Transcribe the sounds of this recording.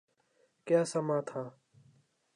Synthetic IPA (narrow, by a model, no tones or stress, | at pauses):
kjaːsamãːt̪ʰãː